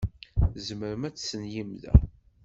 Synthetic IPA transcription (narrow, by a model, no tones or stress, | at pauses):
zməɾəmæt͡sːsənjimðæ̰